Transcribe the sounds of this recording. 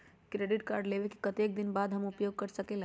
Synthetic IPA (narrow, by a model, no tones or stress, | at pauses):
kɾeɖiʈkaɾɖlebeki̥kət̪ek̚d̪inbad̪ʱɦəmupjoɡ̚kəɾsəkela